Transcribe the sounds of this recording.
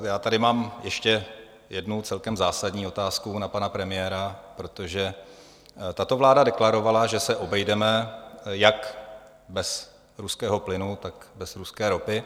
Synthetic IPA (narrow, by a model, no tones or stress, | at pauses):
jaːt̪adɪmaːmjɛʃcɛ | jɛdnut͡sɛlkɛmzaːsadɲiːo̞t̪aːskunapanapɾɛmɪjɛːɾapɾo̞t̪oʒɛ | t̪at̪o̞vlaːdadɛklaɾo̞valaʒɛsɛʔo̞bɛjdɛmɛjak | bɛs | ɾuskɛːɦo̞plɪnut̪akbɛsɾuskɛːɾo̞pɪ